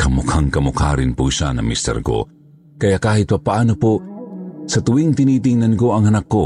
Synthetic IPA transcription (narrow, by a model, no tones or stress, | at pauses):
kamʊkʰhaŋkamʊkhaɾɪnpʊsa̰na̰mist̪ɛ̰ɾko̰ | kɐjakaːhɪt̪̚papaʔanopo | sat̪ʊwɪŋt̪ɪniːt̪ɪŋnankoɐŋanakːo